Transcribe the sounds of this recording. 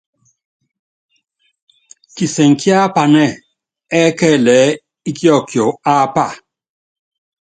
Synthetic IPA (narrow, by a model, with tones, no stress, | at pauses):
ki˨sɛ˨ŋ̩˨ki˦a˦pa˨nɛ˦˨ | ɛ˦kɛ˦˨lɛː˨˦ | i˦ki˦ɔ˦˨kjo˨a˦pa˦˨